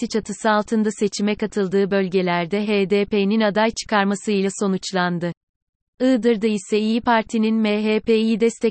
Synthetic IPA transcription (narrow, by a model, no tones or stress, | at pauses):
it͡ʃʰat̪ʰɯsɯalˠt̪ʰɯnd̪ase̞t͡ʃʰimɛkat̪ʰɯlˠd̪ɯːbø̞lʲɟe̞lʲæɾd̪ɛɦeːd̪eːpeːninad̪ajt͡ʃʰɯ̥kʰaɾmasɯilʲˠaso̞nut͡ʃlˠand̪ɯ | ɯːd̪ɯɾd̪ɯisɛijipʰaɾt̪ʰininmeɦeːpeːiːd̪ɛst̪ʰɛ